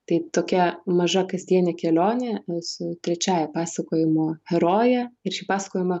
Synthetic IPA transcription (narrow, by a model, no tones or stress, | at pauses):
t̪ɐɪt̪oːkʲɛmɐʒɐkɐzʲd̪ʲiɛnʲɛkʲɛlʲoːnʲesʊt̪ʲɾʲɛt͡ʃʲaːjɛpɑːsɐkoːjɪmoːhʲɛɾoːjɛɪɾʃʲɪpɑːsɐ̥koːjɪmɐ